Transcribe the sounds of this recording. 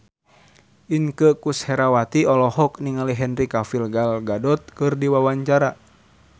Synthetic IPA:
ʔiŋkəkushɛɾawat̪iɔlɔɦɔk̚niŋaliɦɛnrikafilɡalɡadɔt̪̚kɨrdiwawaɲt͡ʃaɾa

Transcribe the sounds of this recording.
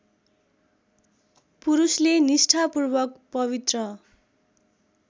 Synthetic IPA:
puɾuslenisʈʰapurbʌkpʌβit̪rʌ

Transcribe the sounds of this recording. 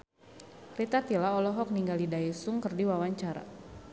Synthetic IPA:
rit̪at̪ilaɔlɔɦɔk̚niŋɡalidaisʊŋkərdiwawaɲt͡ʃaɾa̰

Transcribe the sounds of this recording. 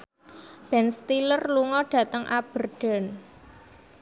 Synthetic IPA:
b̥ɛnst̪ilərluŋɔɖ̥ä̤t̪əŋʔa̰b̥ə̤rɖ̥a̤n

